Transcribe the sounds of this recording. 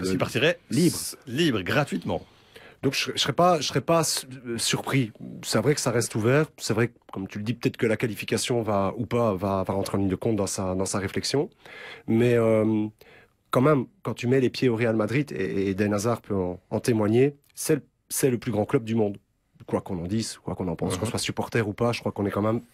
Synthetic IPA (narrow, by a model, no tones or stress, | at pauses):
paʁt̪iʁɛliibʁlibʁɡʁat̪ɥit̪mɑ̰̃ | d̪ɔ̃kʒɛsʁɛpaʒəsχɛpassyʁpχisavʁɛkə̥saʁɛst̪uvɛːʁsɛvʁɛkkɔmt̪yləd̪ipət̪ɛt̪χkəlakalifikʲasjɔ̃vaupavavaʁɑ̃t̪χeɑ̃nlind̪əkɔ̃t̪̚d̪ɑ̃sad̪ɑ̃saʁeflɛksjɔ̃mɛøm | kɑ̃mɛmkɑ̃t̪ymɛlepjeoʁealmad̪ʁid̪ḛːd̪ɛnazaʁpøɑ̃ɑ̃t̪emwaɲe | sɛ | sɛləplyɡʁɑ̃klœb̚d̪ymɔ̃d̪ | kwakɔ̃nɑ̃d̪iskwakɔ̃nɑ̃pɑ̃skɔ̃swasypɔʁt̪ɛʁupaʒə̥kχwakɔ̃nɛkɑ̃mɛm